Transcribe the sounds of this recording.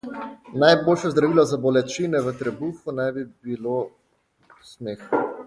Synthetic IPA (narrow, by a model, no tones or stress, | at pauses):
najboːlʃɔzd̪ɾaʋiːlɔzabɔlɛt͡ʃinɛʋət̪ɾɛbufunajbibilo | sneːxɔ